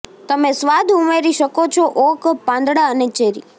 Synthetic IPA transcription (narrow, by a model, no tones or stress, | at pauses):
t̪əmesʋad̪ʱumeɾiʃəkot͡ʃʰoʔokpãnd̪ɽaənet͡ʃeɾi